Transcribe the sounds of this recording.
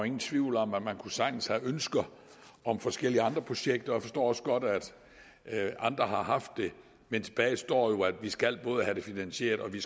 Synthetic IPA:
e̝ŋn̩t͡sʰʋiʊ̰l̩ɒ̽mæ̥mænkʰusɑ̈ŋn̩shæʔønsɡ̥ɐ | ɒ̽mfɒ̽sɡ̥el̰iəɑ̈nd̥ʁɐpʰo̝ɕeɡ̥̚d̥ɐjäfɒ̽sd̥ɔ̰ːɒ̽səɡ̥ɒ̽d̥æd̥ | ʔɑ̈nd̥ʁɐɦɑ̈ɦɑ̈fd̥ːe̝ | ment͡sʰe̝b̥ɛːɪsd̥ɒ̰ːjo̝æd̥ʋisɡ̥æl̰b̥ɔ̽ːð̞ˠəhæɾ̥e̝finænɕe̝̰ɐd̥ɒ̽ʋis

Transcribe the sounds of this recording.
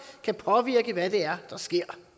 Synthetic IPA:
kʰæpʰɒ̽ʋiɐɡ̥əʋæd̥e̝æɐd̥ɑ̈sɡ̥e̝ɐ̰

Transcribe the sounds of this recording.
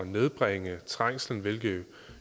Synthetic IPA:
ne̝ð̞ˠb̥ʁeŋət͡sʰʁaŋ̰sln̩ʋelɡ̥eʊ

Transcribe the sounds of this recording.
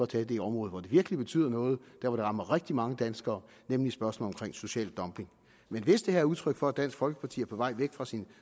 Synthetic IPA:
ɒt͡sʰɛːd̥e̝iɒ̽mʁɔ̽ːð̩ˠʋɒd̥e̝ʋiɐɡ̥əlib̥e̝t͡sʰy̰ːð̰ˠɐnɔ̽ːð̞̩ˠd̥æɐ̰ʋɒɾ̥eʁɑ̈mɐʁeɡ̥̚d̥imɑ̈ŋəd̥ænsɡ̥ɐː | nemlisb̥ɶɐsm̩ːɒ̽mkʰʁeŋ̰so̝ɕɛ̰ːld̥ɒ̽mb̥e̝ŋ | menʋe̝sd̥e̝hæɐæɐuðˠt͡sʰʁœɡ̥fɒ̽æd̥d̥æn̰sɡ̥fɒ̽lɡ̥ə̥pʰɑ̈t͡sʰḭːɐpʰɒ̽ʋɑ̈ɪ̰ʋeɡ̥fʁɑ̈sin

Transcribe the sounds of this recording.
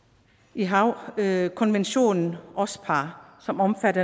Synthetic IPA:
iɦɑ̈ʊkʰɒ̽nʋenɕo̝̰ːnn̩ʔɒ̽spʰɑ̈ːsɒ̽mɒ̽mfædɐ

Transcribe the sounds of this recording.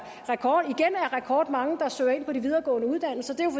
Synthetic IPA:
ʁɛkʰɒːd̥iɡ̥enæɐʁɛkʰɒːd̥mɑ̈ŋəd̥ɑ̈sø̰ːɐe̝n̰pʰɒ̽d̥iʋið̞ˠɐːɡ̥ɔ̰̽ːnəuð̞ˠd̥æn̰l̩sɐd̥e̝jof

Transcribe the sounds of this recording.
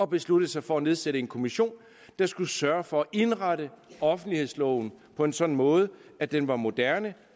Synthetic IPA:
ɒ̽b̥e̝sluɾ̥ð̩ˠsɑ̈ɪfɒ̽æne̝ð̞ˠseɾəe̝nkʰo̝miɕo̝̰ːn | d̥ɑ̈sɡ̥usɶɐfɒ̽æʔe̝nʁaɾəɒ̽fn̩d̥lihe̝ð̞̰ˠslɒʊn̩pʰɒ̽e̝nsɒ̽nn̩mɔ̽ːð̞̩ˠəæd̥enʋɑ̈mo̝d̥æɐnə

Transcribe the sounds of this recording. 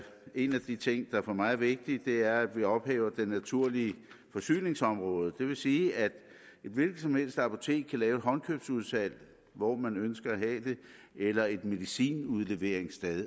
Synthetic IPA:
e̝næd̥it͡sʰe̝ŋ̰d̥ɑ̈fɒmɑ̈ɪð̩ˠʋe̝ɡ̥̚d̥id̥e̝æɐæd̥ʋiɒ̽b̥hɛ̰ːʊɐd̥enːæt͡sʰuɐ̰liə | fɒ̽sy̰ːne̝ŋsɒ̽mʁɔ̽ːð̞ˠəd̥e̝ʋe̝siːæd̥ | e̝d̥ʋe̝lɡ̥ð̩ˠsɒ̽mhel̰sd̥ɑ̈pʰo̝t͡sʰe̝̰ːkʰælɛːʊe̝d̥ɦɒ̽nkʰøb̥suð̞ˠfæl̰ | ʋɒmænønsɡ̥ɐæɦɛːd̥e̝ | elɐe̝d̥me̝ðˠisḭːnuð̞ˠle̝ʋe̝ɐ̰e̝ŋsd̥eðˠ

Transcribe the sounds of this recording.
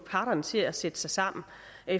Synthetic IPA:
pʰɑ̈ɾ̥ɐnət͡sʰe̝læsed̥ə̥sɑ̈ɪsɑ̈m̰n̩ | ʔe

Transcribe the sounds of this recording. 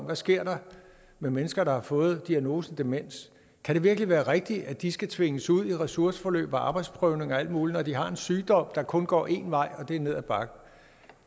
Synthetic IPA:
mʋæsɡ̥e̝ɐ̰ɾɑ̈ | memenəsɡ̥ɐɾ̥ɑ̈hɑ̈fɔ̽ːð̞̩ˠd̥iæno̝ːsəd̥e̝men̰s | kʰæɾ̥e̝ʋiɐɡ̥liʋæːɐʁeɡ̥̚d̥iʔæd̥isɡ̥æt͡sʰʋe̝ŋəsuð̞̰ˠiʁɛsuɐsə̥fɒ̽lø̰ːb̥ɒʔɑ̈ːb̥ɑ̈ɪd̥sb̥ʰʁœʊne̝ŋɒ̽æl̰d̥muːlinɒd̥iɦɑ̈e̝nsyːd̥ɒ̽m̰d̥ɑ̈kʰɔ̽nɡ̥ɒ̰ːe̝ːnʋɑ̈ɪ̰ɒ̽d̥e̝æɐne̝ð̞̰ˠæb̥ɑ̈ɡ̥ə

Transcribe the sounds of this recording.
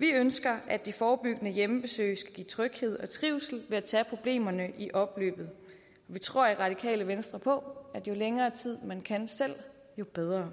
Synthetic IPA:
ʋiønsɡ̥ɐʔæd̥ifɒːb̥yɡ̥ənəjemb̥e̝sø̰ːɪsɡ̥æɡ̥ḭːt͡sʰʁœɡ̥he̝ð̞̰ˠɒ̽t͡sʰʁiʊsl̩ʋe̝æt͡sʰɛpʰʁo̝b̥le̝̰ːmɐnəʔiʔɒ̽b̥lø̰ːb̥ð̩ˠ | ɒʋit͡sʰʁo̝ɐ̰iʁɑ̈d̥ikʰɛ̰ːləʋensd̥ʁɐpʰɒ̽æd̥jo̝leŋɐːt͡sʰið̞̰ˠmænkʰænsel̰ | jo̝b̥eð̞ˠʁɐ

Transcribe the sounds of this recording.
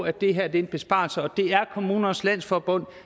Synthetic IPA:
æd̥e̝ɦæɐd̥eenb̥e̝sb̥ɑ̈lsəɒ̽d̥e̝æɐkʰo̝muːnɐnslæn̰sfɒb̥ɔ̽n̰

